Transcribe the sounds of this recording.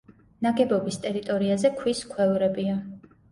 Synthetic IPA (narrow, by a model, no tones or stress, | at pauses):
naɡɛbɔbist̪ʼɛɾit̪ʼɔɾiazɛkʰwiskʰwɛvɾɛbia